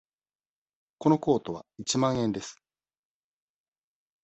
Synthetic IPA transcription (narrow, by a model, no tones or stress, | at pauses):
ko̞no̞ko̞ːt̪o̞βa̰it͡ɕimãɰ̃ẽ̞nd̪e̞sɨ̥